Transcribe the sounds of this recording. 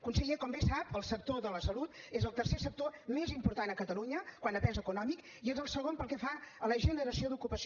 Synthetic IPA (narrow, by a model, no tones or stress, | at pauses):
kunsəʎekɔmbesapəlˠsək̚t̪oðələsəlut̪ezəlˠt̪ərsesək̚t̪omezimpuɾt̪anəkət̪əluɲəkwanəpɛnzəkunɔmik | iezəlˠsəɣompəlˠkɛfaələʒənəɾəsioðukupəs